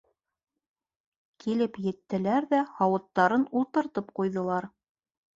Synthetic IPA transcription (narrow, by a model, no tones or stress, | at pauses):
kʰilɘpjɘ̆t̪ːɘ̆læɾðæhɑwɤ̆t̪ːɑɾɤnulˠt̪ɤ̆ɾt̪ɤpqujðɤ̆lˠɑɾ